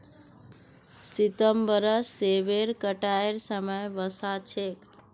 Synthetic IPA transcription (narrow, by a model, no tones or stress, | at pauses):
sit̪əmbəɾəsːeʋeɾkəʈaeɾsəməjʋəsat͡ʃʰek